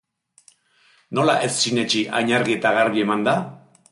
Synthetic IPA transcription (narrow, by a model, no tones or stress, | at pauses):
no̞laʔe̞sːine̞t͡ʃiʔa̰ɲaɾɣie̞t̪aɣaɾβie̞mand̪a